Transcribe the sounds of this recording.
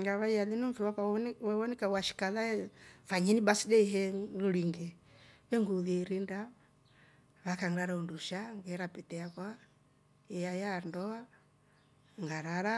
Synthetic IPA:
ŋɡaβaiaðinuɱfɛwapawɛwɔnɛkawaʃi̥kalaɛfaɲinibasidɛiɦɛluɾiŋɡɛβɛŋɡuðiɾinda | βakaŋɡaɾaunduʃaŋɡɛɾapɛtɛakwa | ɛjajandɔa | ŋɡaɾaɾa

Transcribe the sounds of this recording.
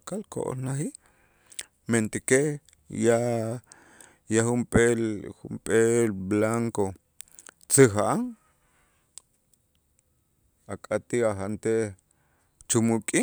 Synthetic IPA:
kalko̰ʔo̰lnaxiʔ | ment̪ike | ja | jaxumpʼelxumpʼelblaŋko | t͡sɨxaʔaŋ | akʼat̪iaxant̪e | t͡ʃumukʼi

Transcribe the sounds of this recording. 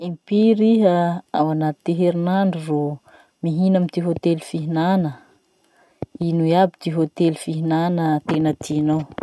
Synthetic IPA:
impiɾiɦəawanat̪t̪eɦeɾinaɳɖ͡ʐuro | miɦinamit̪iɦot̪elufiɦinanə | inuiabit̪iɦot̪elufiɦinanət̪enət̪ʰinow

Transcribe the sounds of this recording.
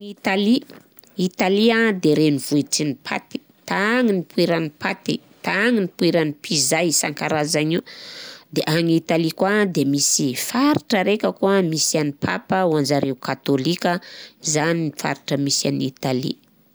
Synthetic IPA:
it̪ali | it̪aliad̪eɾenivuiʈ͡ʂinipʰa̰t̪i̥ | t̪aŋinipuiɾanipat̪i | t̪aŋinipuiɾanipizajsaŋkaɾazanid̪eʔaŋit̪alikwad̪emisifaɾiʈ͡ʂəɾekʲəkuəmisianipʰapəwand͡ʒaɾeukat̪olikʲəizaninifa̰ɾiʈ͡ʂəmisanit̪alḭ

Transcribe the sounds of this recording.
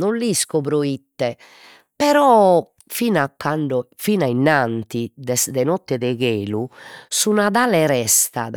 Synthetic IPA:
nɔnliskɔβɾoit̪ːɛ | pɛɾɔ | finakːaɳɖɔfinainant̪id̪ɛsd̪ɛnɔt̪ːɛðɛɣeːlusunaðalɛɾɛst̪a̰

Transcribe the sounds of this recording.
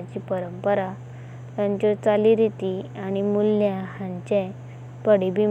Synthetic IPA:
t͡ɕiːpəɾəmpəɾa | t̪jaɲt͡ɕɔt͡saliɾit̪iaɽ̃imulːjaɦãɲt͡ɕẽ | pəɽibi

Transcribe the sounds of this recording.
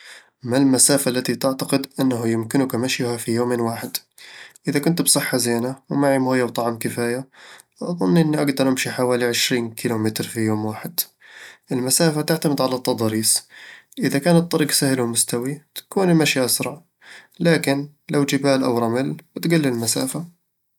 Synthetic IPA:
malmasaːfalːat̪it̪ɪʕt̪aqɪd̪ʔɪnːaɦʊjɪmkɪnʊkamaʃjhafijoːmeːnwaːħɪd̪ | ʔɪðakʊnt̪bsˤɨħːazeːnawmaʕimhʊːjːawt̪ˤɑʕmkɪfaːja | ʔɑðˤʊnːʔɪnːiʔaɡd̪ɑɾˤʔɪmʃiħawaːliʕɪʃɾiːnkʰɪlumɪt̪ɾfijoːmwaːħɪd̪ʔɪlmasaːfat̪ɪʕt̪amɪd̪ʕalat̪ˤːɑd̪ˤɑːɾiːsʔɪðakaːnɨt̪ˤːɑɾiːɡsahlumʊst̪awit̪ḁkuːnɪlmaʃiʔasɾˤɑʕ | laːkɪn | lawd͡ʒɪbaːlʔa̰wɾˤɑmɪlbɪt̪ɡalːɪlmasa̰ːfa

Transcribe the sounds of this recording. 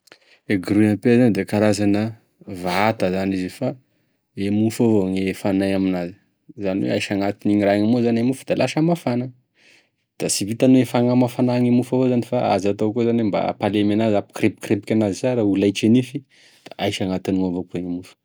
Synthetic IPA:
eɡɾunapezanid̪ekaɾazanə | vaat̪əzanizifa | emufovoŋefanajaminazi̥ | zaniwḛajʃaŋat̪iniŋiɾaŋamuzanemufu̥d̪̥alaʃamafana | d̪̥asivit̪anoefaŋamafanaŋimufavozanifaa̰zat̪okuzanwemba̰palemanazapi̥kɾepi̥kɾepi̥kʲanazisaɾaulajt͡ʃenifi | d̪̥aʔajʃaŋat̪iniŋavokeŋimufə̥

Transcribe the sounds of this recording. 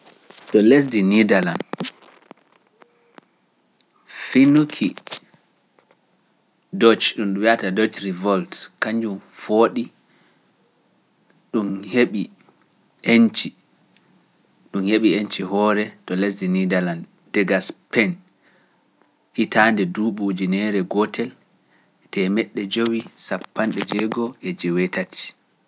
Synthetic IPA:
tɔles̬dinidaland | finukʰi | dɔt͡ʃɗumɗuwiatadɔt͡ʃɾivɔltkaɲd͡ʒufoːɗi | ɗumheɓi | ent͡ʃi | ɗumheɓient͡ʃihɔɾɛtɔles̬dinidalandːɛɡaspɛn | hitaːndɛduːɓud͡ʒinɛɾɛɡɔtʰɛl | tɛmɛɗːɛd͡ʒowisapːanɗɛd͡ʒɛɡɔʔɛd͡ʒɛwɛtatʰi̥

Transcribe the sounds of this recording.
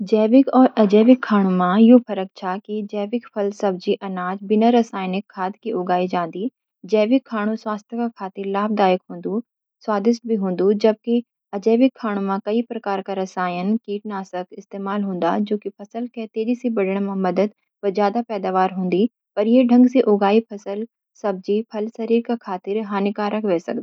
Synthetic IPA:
d͡ʒɛːʋɪkɔːɾɐd͡ʒɛːʋɪkʰːaːɽ̃ũmãjɦopʰɐɾək̚t͡ʃʰakid͡ʒɛːʋɪkpʰɐlsɐb̚d͡ʒiʔɐnaːd͡ʒbɪnaɾɐsaːjnɪkʰːaːd̪kiʊɡaːid͡ʒãːnd̪iː | d͡ʒɛːʋɪkʰːaːɽ̃ũswaːst̪ʰjəkakʰaːt̪ɪɾlaːb̚d̪aːjəkɦũːn̆d̪u | swaːd̪ɪʃt̪̚bʱiɦũːn̆d̪ud͡ʒɐb̚ki | ɐd͡ʒɛːʋɪkʰːaːɽ̃ũmãkɐipɾɐkaːɾkaɾɐsaːjənkiːʈ̚naːsəkɪst̪eːmaːlɦõːnd̪a̰d͡ʒoːkipʰɐsəlkɛːt̪eːd͡ʒisibɐɖəɽ̃mãmɐd̪əd̪ | pɐzjaːd̪apɛːd̪aːʋaːɾɦõːnd̪i | pɐɾjeɖʱɐ̃ŋɡsiʔoːɡaːipʰɐsəl | sɐb̚d͡ʒipʰɐlsɐɾiːɾkakʰaːt̪ɪɾɦaːnɪkaːɾɐkʰʋɛːsɐ̰k̚d̪aː

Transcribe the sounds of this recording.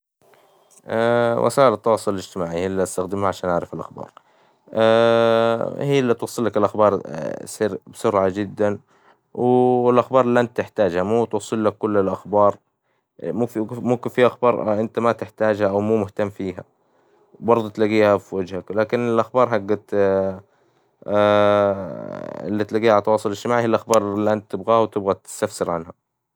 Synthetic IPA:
ʔawʔa̰saːʔɪlɑt̪ˤːɑwɑːsˤllɪd͡ʒt̪ɪmaːʕihiːlːiʔast̪axd̪ɪmhaʕaʃaːnʔaʕɾˤɑfɪlʔa̰xbɑ̰ːɾˤ | ʔa | hiːlːiːt̪wɑsˤːɨlːakɪlʔaxbɑːɾ̰ˤsˤiːɾbsʊɾʕad͡ʒɪd̪ːan | wɪlʔaxbɑːɾˤlːant̪ɪħt̪aːd͡ʒhamuːt̪wɑsˤːɨlːakːʊlːɪlʔaxbɑːɾˤ | mufimʊmkɪnfiʔaxbɑːɾˤʔɪnt̪amat̪ɪħt̪aːd͡ʒhaʔawmuːmʊht̪amːfiːɦa̰ | bɑɾˤd̪ˤʊt̪laɡiːhafiwad͡ʒhaklaːkɪnɪlʔaxbɑːɾˤɦaɡːat̪ | ɪ̰lːit̪laɡiːhʕalt̪ːɑwɑːsˤʊlɪʃt̪ɪmaːʕhɪlʔaxbɑːɾˤɪlːiʔant̪̚t̪ɪbɣaːhawt̪ɪbɣat̪ɪ̥st̪afsɪɾʕanha

